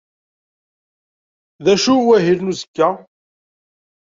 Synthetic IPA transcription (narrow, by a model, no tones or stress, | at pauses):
ðæʃuwæɦilnuzəkːæ